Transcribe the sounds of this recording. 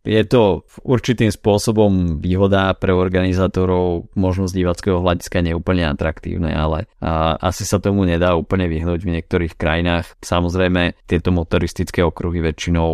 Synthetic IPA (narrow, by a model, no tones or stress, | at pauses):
jɛt̪ɔuɾt͡ʃit̪iːmspʊɔsɔbɔmʋiːɦɔd̪apɾɛɔɾɡanizaːt̪ɔɾɔʊmɔʒnɔzɟiʋat͡skɛɦɔɦlaɟiskaɲɛuːpl̩ɲɛa̰t̪ɾakt̪ḭːʊnɛ̰alɛʔa̰sisat̪ɔmuɲɛd̪aːuːpl̩ɲɛʋiɦnuːɟvɲɛk̚t̪ɔɾiːxkɾajinaːxsamɔzɾɛjmɛt̪ɪɛt̪ɔmɔt̪ɔɾist̪it͡skɛɔkɾuɦiʋɛt͡ʃːinɔʊ